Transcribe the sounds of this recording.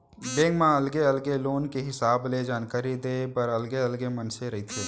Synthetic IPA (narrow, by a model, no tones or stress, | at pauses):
ɖeːŋɡmãɐlɡeɐlɡeloːnkeɦɪsaːbled͡ʒaːnkaːɾid̪eːpɐɾɐlɡeɐlɡemɐnseɾɐɦit̪ʰeː